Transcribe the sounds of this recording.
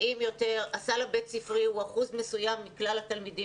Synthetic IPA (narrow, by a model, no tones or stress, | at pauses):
ʔimjo̞t̪e̞ʁasalabet̪sifʁiuaχuzmesujamːiklalat̪almidi